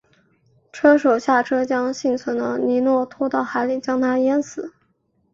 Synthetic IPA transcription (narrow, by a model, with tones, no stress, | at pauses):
ʈ͡ʂʰɤ˥ʂo˨˩ʊɕja˥˩ʈ͡ʂʰɤ˥t͡ɕjɑ˥ŋɕi˥˩ŋt͡sʰwə˧˥nd̪ə˧ni˧˥nwɔ˥˩t̪ʰɔ˥t̪ɑ˥˩ʊxa˧˥ɪli˨˩t͡ɕjɑ˥ŋt̪ʰa˥jɛ˥nsɹ̩˨˦